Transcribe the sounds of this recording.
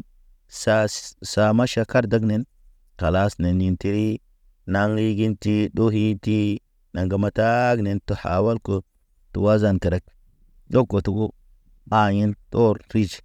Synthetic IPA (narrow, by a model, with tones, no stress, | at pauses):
sa˦sa˨ma˦ʃa˨ka˦ɾda˦ɡne˦n | ka˨la˦sne˨ni˨nti˦ɾi˦ | na˦ŋli˦ɡi˦nti˦ɗo˦ɦi˦ti˦ | na˨ŋɡa˨ma˨ta˦ɡne˨nto˨ha̰˨wa˦lko˨ | tṵ˨wa˦za˨nke˨ɾa˨˦k̚ | d͡ʒo˦kːo˨tu˨ɡu˦ | a˨ɲi˦nto˦ɾɾi˦d͡ʒ